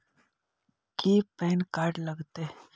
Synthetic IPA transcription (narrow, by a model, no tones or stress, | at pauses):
kiːpeːnkaːɾɖləɡt̪e